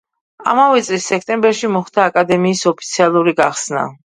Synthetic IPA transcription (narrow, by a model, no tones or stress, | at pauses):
a̰mavɛt̪sʼlisːɛkʰt̪ʼɛmbɛɾʃimɔχt̪ʰaːkʼad̪ɛmiːsɔpʰit̪sʰialˠuɾiɡaχsna̰